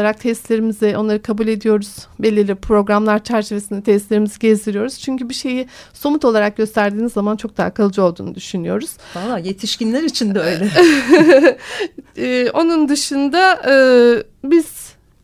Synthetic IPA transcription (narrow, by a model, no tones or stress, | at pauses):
aɾak̚t̪ʰɛst̪lʲe̞ɾimizɛʔo̞nlˠaɾɯkʰabulʲe̞d̪ijo̞ɾuz̥belʲːiɾlʲipʰɾo̞ɡɾamlˠaɾt͡ʃʰæɾt͡ʃʰe̞ve̞sind̪ɛt̪ʰɛst̪lʲeɾimiziɟezd̪iɾijo̞ɾuz̥t͡ʃʰyɲcybiʃe̞jiso̞mut̪o̞lˠaɾak̚ɟø̞st̪ʰæɾd̪iːnizːamant͡ʃʰo̞k̚d̪aakʰalˠɯd͡ʒɯolˠd̪uːnud̪yʃynyjo̞̰ɾuz̥balːˠaːjet̪ʰiʃcinlʲæɾit͡ʃʰind̪ɛøjlʲɛ | o̞nund̪ɯʃɯnd̪aː | biz̥